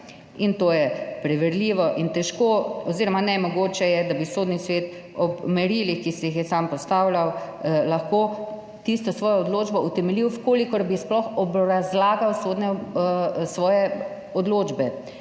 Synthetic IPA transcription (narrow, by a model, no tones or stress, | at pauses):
int̪oːjɛpɾɛʋɛɾliːʋɔʔint̪ɛʃkoːɔziːɾɔmanɛmɔɡoːt͡ʃɛjɛd̪abisoːd̪nisʋeːt̪ | ɔpmɛɾiːlixkisɛjixjɛsampɔst̪aːwlʲaw | laxkoː | t̪ist̪ɔsʋɔːjaɔd̪loːd͡ʒbɔut̪ɛmɛliwfkoːlikɔɾbisplɔxɔbɾazlaːɡawsoːd̪nɛ | sʋɔːjɛ | ɔd̪loːd͡ʒbɛ